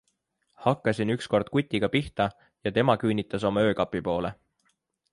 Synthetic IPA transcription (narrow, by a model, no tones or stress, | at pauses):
hɑkːˑɑsinyksko̞rd̪̥̚kut̪ʲːˑiɡ̥ɑpiht̪ɑ | jɑt̪e̞mɑkynit̪ːˑɑso̞mɑø̞ːkɑpːˑipo̞ːle̞